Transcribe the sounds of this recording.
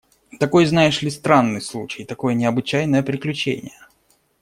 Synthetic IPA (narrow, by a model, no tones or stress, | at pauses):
t̪ɐko̞jznajɪʂlʲɪst̪ɾanːɨjslˠut͡ɕɪjt̪ɐko̞jənʲɪɐbɨt͡ɕæjnəjəpɾʲɪklʲʉt͡ɕḛnʲɪ̰jə